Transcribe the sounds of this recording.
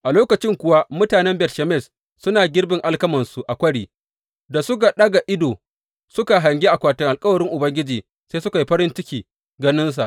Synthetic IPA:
ʔa˨loː˦kɐ˨t͡ʃɪ˦ŋkʷʊ˨wa˦mʊ˦taː˨nɛ˦mbɛ˨tʃa˨mɛ˦˨s | sʊ˦naː˨ɡʲɪ˦rbɪ˨ŋʔa˦lkɐ˦mɐ˨nsu˨ʔa˨kʷɐ˦ɽiː˨ | da˨sʊ˦k̬a˨ɗɐ˦ɡa˨ʔɪ˦doː˨ | sʊ˦ka˨ɦa˨ŋɡʲiː˦ʔa˨kʷaː˨tɪ˨ŋʔa˨kʼɐ˦wɐ˨ɽɪ˦ŋʔʊ˨bɐ˦ŋɡʲɪ˦d͡ʒiː˨ | se˦sʊ˦ka˨ji˦ɸɐ˦ɾɪ˦nt͡ʃɪ˦kʲiː˨ | ɡɐ˦nɪ˦ns̬a̰˨ʔ

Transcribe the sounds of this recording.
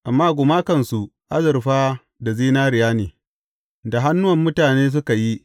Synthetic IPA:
ʔa˨mːaː˦˨ɡʷʊ˨maː˦kɐ˦˨nsu˨ | ʔa˦zɐ˨rɸaː˦ | da˨ziː˦naː˦ɾɪ˨jaː˦neː˨ | da˨ɦa˦nːʊ˦wɐ˨mːʊ˦taː˨neː˦s̬ʊ˦ka˨ji˦ʔ

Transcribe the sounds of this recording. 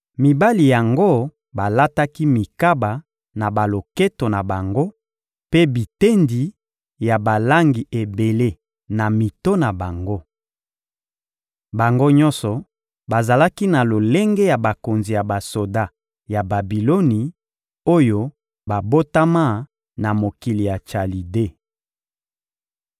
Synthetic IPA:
mi˨ba˦li˨ja˨ŋɡo˦ | ba˨la˦ta˦ki˦mi˨ka˦ba˨ | na˨ba˨lo˨ke˦to˨na˨ba˨ŋɡo˦ | pe˦bi˨te˦ndi˨ | ja˨ba˨la˦ŋɡi˨ʔe˨be˨le˦ | na˨mi˨to˦na˨ba˨ŋɡo˦ | ba˨ŋɡo˦ɲɔ̃˦nsɔ˨ | ba˨za˨la˦ki˦na˨lo˨le˦ŋɡe˦ja˨ba˨ko˨nzi˨ja˨ba˨so˨da˦ | ja˨ba˨bi˨lo˦ni˨ | o˦jo˦ | ba˨bo˦ta˦ma˦˨ | na˨mo˨ki˨li˨ja˨t͡ʃa˨li˨de˦

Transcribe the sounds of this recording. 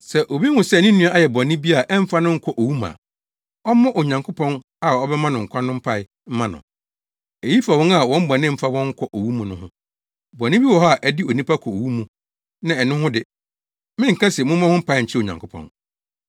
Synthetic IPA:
sɛ˨ʔo˨bi˦hʊ̃˨sɛ˦˨nɪ̃˦nːũ˦a˦a˦˨jɛ˨bɔ˨nɪ̃˦bi˦a˨ʔɛ˦m̩˦fa˦nʊ̃˦ŋ̩˦kʰɔ˦ʔo˨wu˦mã̰˨ | ɔ˦mã˦ʔo˨ɲã˨ŋkʰʊ˦pʰɔ̃˦n | a˨ɔ˦bɛ˦mã˦nʊ̃˨ŋ̩˨kʷʰã˦nʊ̃˦m̩˦pʰa˨ɪ˨ | m̩˦mã˦nʊ̰̃˨ | e˨ji˦fa˨wɔ̃˦na˨wɔ̃˦m̩˦ba˨nɪ̃˦m̩˦fa˦wɔ̃˦ŋ̩˦kʰɔ˦ʔo˨wu˦mũ˨nʊ̰̃˦ɦʊ̰̃˦ | bɔ˨nɪ̃˦bi˦wɔ˨ɦɔ˦a˨ʔɛ˦dɪ˦o˨nĩ˦pʰa˦kʰɔ˨o˨wu˦mũ˨ | nã˨ɛ˨nɪ̃˦ɦʊ̃˦dɪ˨ | mɪ̃˦ŋ̩˨kʰã˦sɛ˨mʊ̃˦mã˦hʊ̃˦m̩˦pʰa˦ɪ˦ɲ̩˨t͡ɕʰɪ˦o˨ɲã̰˨ŋkʰʊ˦pʰɔ̰̃˨n

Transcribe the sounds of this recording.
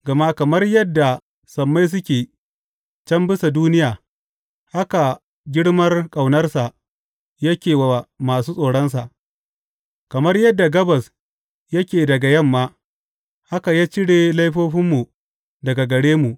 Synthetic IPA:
ɡɐ˨ma˦kɐ˨mɐ˦rjɐ˦dːa˨ | sɐ˨mːa˦js̬ʊ˦kʲeː˨ | t͡ʃɐ˦mbɪ˦sa˨duː˦nɪ˦jaː˨ | ha˦ka˨ | ɡʲɪ˦ɽmɐ˦rkʼa˨wnɐ˦rsa˨ʔ | jɐ˦kʲeː˨wa˨a˨maː˨suː˦sʼoː˨ɽɔ˦nsa˨ʔ | kɐ˨mɐ˦rjɐ˦dːa˨ɡɐ˦bɐ˨s | jɐ˦kʲeː˨dɐ˨ɡa˨jɐ˦˨mːaː˦ | ha˦ka˨jaː˦t͡ʃɪ˦ɽeː˨la˦jɸoː˦ɸɪ˦mːu˨ | dɐ˨ɡa˨ɡɐ˨ɽeː˦mu˨ʔ

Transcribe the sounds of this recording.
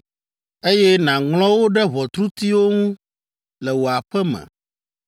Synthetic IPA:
e˦jɛ˦nã˨ŋlɔ̃˦wo˦ɖɛ˦βɔ˨t̪ɾu˦t̪i˦wo˦ŋũ˦ | lɛ˨wo˨a˨ɸɛ˦mɛ̰̃˨

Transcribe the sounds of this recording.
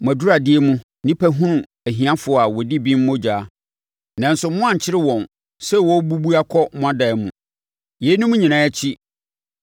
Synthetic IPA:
m˨æ˨du˦ɾa˨dɪ˦e˦mũ˦ | nĩ˦pʰæ˦ɦũ˦nũ˨ | æ˨ɦĩ˨ã˦fʊ˨ɔ˨a˨wɔ˨dɪ˦bĩ˦m̩˦mʊ̃˦d͡ʑaː˨˦ | nã˨n̩˦sʊ˦mʊ̃˦ã˦˨ɲ̩˨t͡ɕʰɪ˦ɾɪ˦wɔ̃˨n | sɛ˦wɔ˦bu˦bu˦a˦kʰɔ˦mʊ̃˦a˦da˨ɛ˨mũ˨ | jɛ˨˦nʊ̃˦mũ˦ɲĩ˨nãː˨˦ɛ˦t͡ɕʰi˦

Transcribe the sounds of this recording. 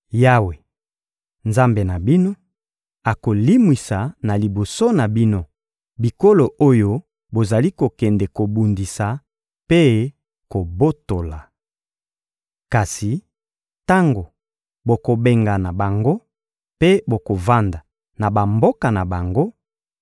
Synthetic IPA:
ja˦we˨ | nza˦mbe˨na˨bi˦no˦ | a˨ko˨li˦mwi˨sa˨na˨li˨bo˨so˦na˨bi˦no˦ | bi˨ko˦lo˨ʔo˦jo˦ | bo˨za˨li˦ko˨kɛ˨ndɛ˨ko˨bu˨ndi˨sa˨ | pe˦ | ko˨bo˦to˨la˨ | ka˨si˨ | ta˦ŋɡo˨ | bo˨ko˨be˨ŋɡa˨na˨ba˨ŋɡo˦ | pe˦bo˨ko˨va˦nda˨ | na˨ba˨mbo˦ka˨na˨ba˨ŋɡo˦

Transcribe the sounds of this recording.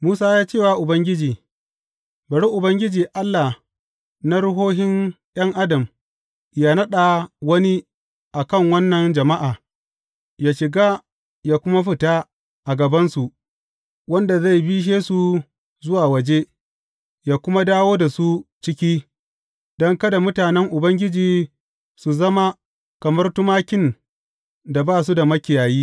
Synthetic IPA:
muː˦saː˦jaː˦t͡ʃeː˦˨waː˦ʔʊ˨bɐ˦ŋɡʲɪ˦d͡ʒiː˨ | bɐ˨ɽi˦ʔʊ˨bɐ˦ŋɡʲɪ˦d͡ʒiː˨ʔa˦lːa˨ | na˦ɽʊ˦ɦoː˦ɦɪ˦n | j̰ɐ˦ŋʔa˦dɐ˨m | jaː˦nɐ˦ɗa˨wɐ˦ni˦ | ʔa˨kɐ˦˨ŋwɐ˦nːɐ˨nd͡ʒɐ˨ma˦ʔaː˨ | jaː˦ʃɪ˨ɡaː˦ | jaː˦kʷʊ˦ma˦ɸɪ˦ta˦ | ʔa˨ɡɐ˨bɐ˦nsu˨ʔ | wɐ˦nda˨za˦˨jbiː˦ʃ̬eː˦su˨ | zʊ˦waː˨wɐ˨d͡ʒe˦ | jaː˦kʷʊ˦ma˦daː˦woː˦da˨su˦t͡ʃɪ˦kʲiː˦ | d̥ɔ˦ŋkɐ˦da˨mʊ˦taː˨nɛ˦ŋʔʊ˨bɐ˦ŋɡʲɪ˦d͡ʒiː˨ | su˨zɐ˦ma˦ | kɐ˨mɐ˦rtʊ˦maː˦kʲɪ˦n | da˨baː˦˨s̬u˦da˨mɐ˦kʲɪ˨jaː˨jiː˦

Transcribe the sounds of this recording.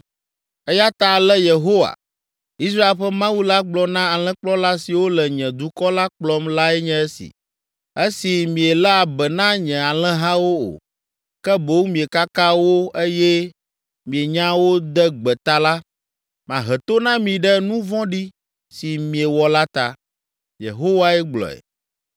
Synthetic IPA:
ɛ˦ja˦t̪a˨lɛ˦je˨ɦo˦wa̰˨ | i˦s̬ɾa˦e˨ɸɛ˦mã˦wu˦la˦ɡ͡blɔ˨nã˦a˨lɛ̃˦k͡plɔ˦la˦si˨wo˦lɛ˨ɲɛ̃˨d̪u˨kɔ˦la˦k͡plɔ˦mla˦ɛ˦ɲɛ̃˦ɛ˦sḭ˨ | e˦si˨mĩ˨e˨lɛ˦a˨bɛ˨nã˦ɲɛ̃˨a˨lɛ̃˦ɦa˦wo˦o̰˨ | kɛ˦bo˦wmĩ˨e˨ka˦ka˦wo˦e˦jɛ˦ | mĩ˨e˨ɲã˦wo˦d̪ɛ˦ɡ͡bɛ˨t̪a˨la˦ | mã̰˨ɦɛ˨t̪o˦nã˦mĩ˨ɖɛ˦nũ˦vɔ̃˦ɖi˦ | si˨mĩ˨ɛ˨wɔ˨la˦t̪a̰˨ | jḛ˨ɦo˦wa˦ɛ˦ɡ͡blɔ̰˨ɛ̰˨

